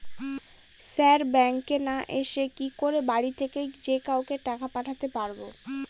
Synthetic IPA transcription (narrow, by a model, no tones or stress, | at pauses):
sɛɾbɛŋkenaʔeʃekikoɾebaɽit̪ʰekejd͡ʑekawkeʈakapaʈʰat̪epaɾbo